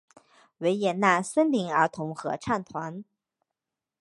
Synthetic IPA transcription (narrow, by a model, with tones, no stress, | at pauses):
we˧˥ɪjɛ˨˩nna˥˩swə˥nli˧˥ŋə˞˧˥t̪ʰʊ˧˥ŋxɤ̰˧˥ʈ͡ʂʰa˥˩nt̪ʰwa˧˥n